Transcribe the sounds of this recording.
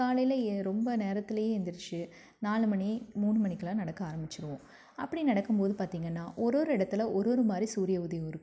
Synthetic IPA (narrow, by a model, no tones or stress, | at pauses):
kaːlɐjlɐɾɔmbɐneːɾɐt̪ːɪlɐjeːɛnd̪ɪɾɯt͡ʃːɯ | naːlɯmɐɳimuːɳːɯmɐɳɪkːɐlãːnɐɽɐkːɯaːɾɐmbɪt͡ʃːɪɾɯʋõː | ɐpːɐɽinɐɽɐkːɯmpoːðɯpaːɾt̪iːŋɡɐnːaːʔɔɾoːɾɯɪɽɐt̪ːɪlɐɔɾoːɾɯmaːd̪ɾisuːɾɪjɐʊðɐjɐɪɾɯkːɯɯ